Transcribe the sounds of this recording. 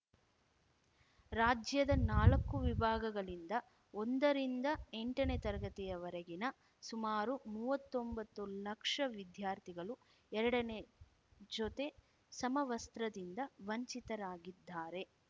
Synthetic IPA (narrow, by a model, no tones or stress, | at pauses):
ɾaːd͡ʒjɐd̪ɐnaːlɐkːuʋibʱaːɡɐɡɐɭind̪ɐ | ond̪ɐɾind̪ɐeɳʈɐnet̪ɐɾɐɡɐt̪ijɐʋɐɾɐɡinɐ | sumaːɾumuːʋɐt̪ːombɐt̪ːulɐkʂɐʋid̪jaːɾt̪ʰiɡɐɭu | ɛɾɐɽɐne | d͡ʒot̪e̞ | sɐmɐʋɐst̪ɾɐd̪ind̪ɐʋɐɲt͡ʃit̪ɐɾaːɡid̪ːaːɾe̞